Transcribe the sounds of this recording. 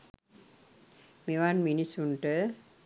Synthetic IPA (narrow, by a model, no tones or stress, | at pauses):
mewanminisunʈə